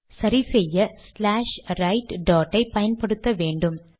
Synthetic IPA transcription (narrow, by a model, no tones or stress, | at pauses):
sɐɾisejːɐslaːʂrɐjʈːɖoːʈːɐɪpɐjɐnpeɽut̪ːɐʋeːɳɖum